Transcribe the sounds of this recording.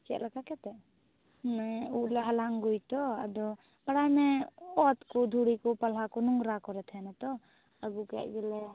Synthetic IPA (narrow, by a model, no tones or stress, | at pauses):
t͡ʃɛ̰ʔlakakɛt̪ɛ | mɛuʔlɛɦalaŋɡujt̪ɔa̰d̪ɔ | baɽajmɛɔt̪kɔd̪ʱuɽikɔpalɦakɔnuŋɡɾakɔɾɛt̪ʰhɛnat̪ɔ | aɡukɛ̰ʔ̚ɡɛlɛ